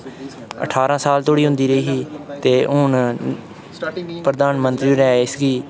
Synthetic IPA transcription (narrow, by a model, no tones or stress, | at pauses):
ə̰ʈʰaːɾãːsaːlt̪oːɽiːɦʊ̃nd̪iːɾəiːɦiːt̪eːʔʊn | pɾəd̪aːnmə̃nt̪ɾiːɾɛːɪsɡiː